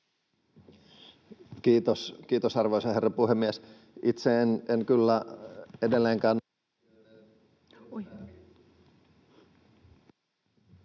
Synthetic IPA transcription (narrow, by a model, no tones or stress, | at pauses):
kiːt̪oskiːt̪osɑrʋoisɑherːepuhemːies | it̪seenenkylːæedelːeːŋkæːn